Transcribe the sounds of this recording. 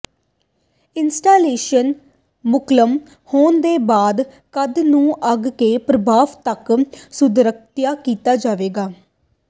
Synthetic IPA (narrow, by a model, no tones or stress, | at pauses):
ɪnsʈaːleːʃən | mʊkləm | hoːnd̪eːbaːd̪ | kəd̪nũːʔəɡkeːpɾəbʱaːʋt̪əksʊd̪ɾək̚t̪jaːkiːt̪aːd͡ʒaːʋeːɡaː